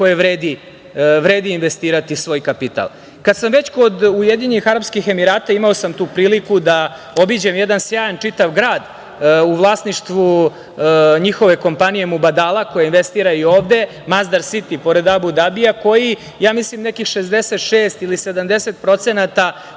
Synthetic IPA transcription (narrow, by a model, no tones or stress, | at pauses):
ko̞jeʋɾeːd̪i | ʋɾeːd̪iːnʋest̪iːɾat̪isʋo̞ːjkapit̪a̰lˠ | kad̪samʋe̞t͡ɕko̞d̪ujed̪iɲenixaɾapskixe̞miɾaːt̪aimaosamt̪uːpɾiːlikud̪a | o̞bid͡ʑemjed̪ansjaːjant͡ʂit̪aʋɡɾaːd̪ | uʋlˠaːsniʂt̪ʋu | ɲixo̞ʋe̞ko̞mpanije̞mubad̪alˠako̞jeinʋe̞st̪iːɾaio̞ːvd̪e̞ | mazd̪aɾsit̪ipo̞ɾe̞d̪abud̪abijako̞ji | jaːmislimnekixʃezd̪eset̪ʃeːst̪ilise̞d̪amd̪e̞set̪̚pɾo̞t̪senat̪a